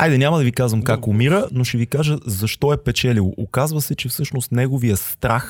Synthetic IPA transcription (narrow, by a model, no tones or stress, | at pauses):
ajd̪ɛnʲamɐd̪ɐvikazvɐmkakʊmiɾənoʃɛvikaʒəzɐʃt̪ɔɛpɛt͡ʃɛlivˠoʔokazvəsɛt͡ʃɛfsɤʃnost̪nɛɡovijəst̪ɾax